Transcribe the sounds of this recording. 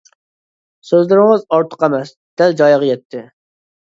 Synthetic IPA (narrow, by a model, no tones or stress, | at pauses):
søzlɪɾɪŋɨzɑɾt̪ʰə̥qæmɛs | d̪̥æld͡ʒɑjʁɑjɛt̪ʰːɪ